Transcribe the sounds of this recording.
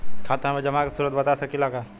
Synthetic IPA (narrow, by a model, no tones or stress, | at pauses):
kʰaːt̪aɦmẽd͡ʒɐmakesuːɾət̪̚bɐt̪asɐkilaːɡaː